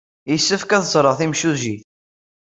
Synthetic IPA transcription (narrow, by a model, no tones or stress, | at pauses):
jisːəfkæθəzˤɾˤəʁθimʃuziθ